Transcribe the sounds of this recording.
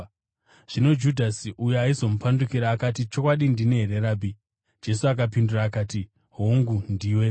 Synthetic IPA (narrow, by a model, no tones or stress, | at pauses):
ʐ̥ino̞d͡ʒudʱasiʔujeaizo̞mupandukiɾaːkatit͡ʃo̞kwaɗindineɦeɾeraːbʱi | d͡ʒe̞suak̬ap̬induraːkaːti | ɦoŋɡundiːwe̞